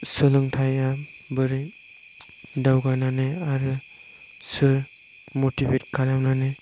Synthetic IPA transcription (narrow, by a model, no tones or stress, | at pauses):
sɯlɯŋtʰajabɯɾi | dawɡananɯaɾɯ | sɯɾ | motibet̚kʰalamnanɯ